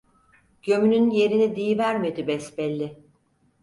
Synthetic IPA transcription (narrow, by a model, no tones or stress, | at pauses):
ɟ̥ø̞mynynje̞ɾinid̪ijivæɾme̞d̪ibɛsbɛlʲːɪ